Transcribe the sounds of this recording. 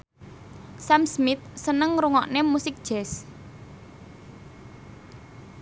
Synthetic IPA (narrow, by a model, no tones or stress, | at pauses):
samsmɪt̪̚sənəŋɾuŋɔ̰ʔnemusɪk̚d̥ʒ̥ɛs